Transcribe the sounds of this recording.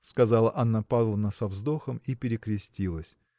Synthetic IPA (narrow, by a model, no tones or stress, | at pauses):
skɐzalˠəʔanːapad̪lˠənəsɐvzd̪o̞xəmipʲɪɾʲɪkɾʲɪsʲtʲilˠəsʲ